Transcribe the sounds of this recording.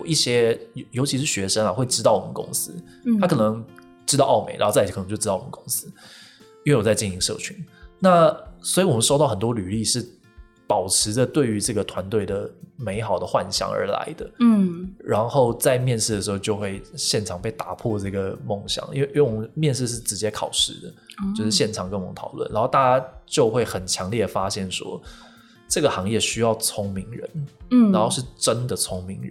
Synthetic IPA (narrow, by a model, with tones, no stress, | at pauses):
i˥˩ɕjɛ˥jo˧ʊt͡ɕʰi˧˥ʂɻ̩˥˩ɕɥɛ˧˥ʂə˥ŋa˨xwe˥˩ɪʈ͡ʂɻ̩˥t̪ɑ˥˩ʊwɔ˨˩mə˦nkʊ̰˥ŋsɹ̩ʰ˥ | a˥kʰɤ˨˩nɤ˧˦ŋ | ʈ͡ʂɻ̩˥t̪ɑ˥˧ʊɑ˥˩ʊmḛ˨˩ɪɻa̰˧˥˧k̪ʰt͡ɕo˥˧˥ɑ˥˩w̰m˧˦˥kʊ˥ŋsɹ̩˥ | i˥we˥˩wɔ˨˩t͡sa˥˧ɪt͡ɕi˥˩ni˧˥ŋʂɤ̰˥˩t͡ɕʰy˧˥˦nna˥˩swɔ˧˥i˧˩wɔ˨mə˦ʂo˥˧t̪ɑ˥˩xə˨˩nt̪wɔ˥ly˨˩li˥˧ʂɻ̩˥˩ | pɑ˨˩ʊʈ͡ʂʰɻ̩˧˥də˧t̪we˥˩ɪy˧˥ʈ͡ʂɤ˥˩ɡə˩t̪ʰwa˧˥nt̪we˥˩ɪd̪ə˩me˧˥ɪxɑ˨˩ʊd̪ə˦xwa̰˥˧nɕjɑ̰˧˩ŋə̰˞˧˥la̰˧˦ɪd̪ə̰˧˥˩ɻa˧˦nxo˥˧ʊt͡sa˥˧ɪmjɛ˥˧nʂɻ̩˥˩ə˩ʂɻ̩˧˥xo˥˧ʊt͡ɕjo˥˧ʊxwe˥˧ɪɕjɛ˥˩nʈ͡ʂʰɑ˨˩ŋpe˥˩ɪt̪a˨˩pʰwɔ˥˧ʈ͡ʂɤ˥˩ɡə˩mo˥˩ŋɕjɑ̰˨˦ŋʔḭ˥nwe˥˩˥wwɔ˨˩mə˦nmjɛ˥˧nʂ̬ɻ̩˥˧ʂ̬ɻ̩˥˩ʈ͡ʂɻ̩˧˥t͡ɕjɛ˥kʰɑ˨˩ʊʂɻ̩̰˥˩d̪ə̰˨t͡ɕjo˥˧ʊʂɻ̩˥˧ɕjɛ˥˩nʈ͡ʂʰɑ˨˩ŋkə˥nwɔ˨˩ə˦t̪ʰɑ˨˩ʊlwə̰˥˩nʔa˧˥nxo˥˧ʊt̪a˥˩t͡ɕja˥t͡ɕjo˥˧ʊxwe˥˩ɪxə˨˩nt͡ɕʰjɑ˧˥ŋljɛ˥˩ə˩fa˥ɕjɛ˥˩nʂwɔ̰˥ | ʈ͡ʂɤ˥˩ɡə˩xɑ˧˥ŋjɛ˥˩ɕy˥jɑ˥˩ʊt͡sʰʊ˥ŋmi˧˥ŋɻə̰˧˦n˥˩a˧˥nxo˥˧ʊʂɻ̩˥˩ʈ͡ʂə˦˥nd̪ə˨t͡sʰʊ˥ŋmi˧˥ŋɻ